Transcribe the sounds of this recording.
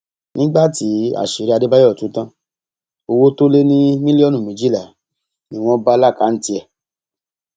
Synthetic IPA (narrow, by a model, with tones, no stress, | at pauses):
nʔĩ˦ɡ͡ba˦˨ti˨˦a̰˦˨ʃe˨ɾi˧˦a˧de˦ba˦jɔ˦˨tũ˨˦tã˦ | o˧wo˦to˦le˦nĩ˦mĩ˦li˦ɔ˦˨nũ˨mĩ˨˦d͡ʒi˦la˨ | nĩ˦w̃ɔ̃˦ba˦la˦˨ka˨˦n̩˦ti˧ɛ˧